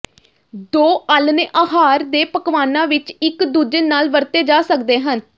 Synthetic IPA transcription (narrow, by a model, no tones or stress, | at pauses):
d̪oːʔəlneʔaːɦaːɾd̪eːpəkʋaːnãːʋɪt͡ʃɪkd̪uːd͡ʒənnaːlʋəɾt̪eːd͡ʒaːsəkd̪eːɦən